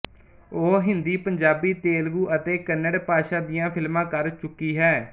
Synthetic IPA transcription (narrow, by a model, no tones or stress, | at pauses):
oːɦɪnd̪iːpəɲd͡ʒaːbiːt̪eːlɡuːʔət̪eːkənːəɽpaːʃaːd̪ɪjãːpʰɪlmãːkəɾt͡ʃʊkːiːɦɛː